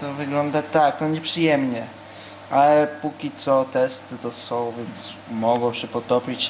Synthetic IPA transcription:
t̪ɔvɘɡlɔnd̪at̪ak̚t̪ɔɲɛpʂɘjɛmɲɛ | ʔalɛpukʲit̪sɔt̪ɛst̪ɘt̪ɔsɔ̃w̃vʲjɛnt̪smɔɡɔ̃w̃ɕɛpɔt̪ɔpʲit͡ɕ

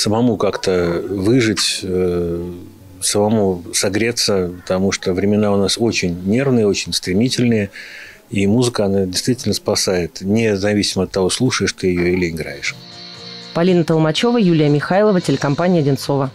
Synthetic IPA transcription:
səmɐmukakt̪əvɨʐɨtʲə | səmɐmusɐɡɾʲet̪sːəpət̪ɐmuʂt̪ovɾʲɪmʲɪnaʊnaso̞t͡ɕɪnʲnʲe̞rvnɨjəo̞t͡ɕɪnʲst̪ɾʲɪmʲitʲɪlʲnɨjə | imuzɨkəɐnadʲɪst̪vʲitʲɪlʲnəspɐsajɪt̪nʲɪzɐvʲisʲɪməɐt̪ːɐvo̞slˠuʂəjɪʂt̪ojɪjoɪlʲɪɪɡɾa̰jɪʂ | pɐlʲinət̪əlˠmɐt͡ɕo̞vəjulʲɪjəmʲɪxajlˠəvətʲɪlʲɪkɐmpanʲɪjədʲɪnt̪so̞və

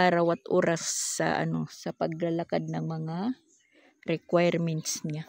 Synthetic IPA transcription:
aɾawat̪ʔo̰ːɾasːɐ̰ʔɐ̰no̞sɐpɐɡ̚lalakad̪̚nɐŋmɐŋa | ɾɛkwajɾmɛnt̪sɲa

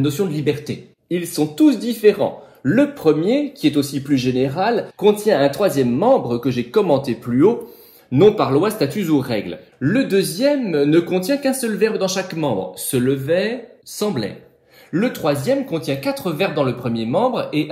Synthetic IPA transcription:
nɔsjɔ̃d̪əlibɛʁt̪e | ilsɔ̃t̪usd̪ifeʁɑ̰̃ləpχəmjekʲiɛt̪osiplyʒeneʁalkɔ̃t̪jɛ̃ɛ̃t̪χwazjɛmːɑ̃bʁəkəʒekɔmɑ̃t̪eplyo | nɔ̃paʁlwast̪at̪yzuʁɛɡl | ləd̪øzjɛmnəkɔ̃t̪jɛ̃kɛ̃sœlvɛʁbd̪ɑ̃ʃakmɑ̃bʁsələvɛʁsɑ̃blɛ̰ʁ | lət̪χwazjɛmkɔ̃t̪jɛ̃kat̪χəvɛʁb̚d̪ɑ̃ləpχəmjemɑ̃bʁe

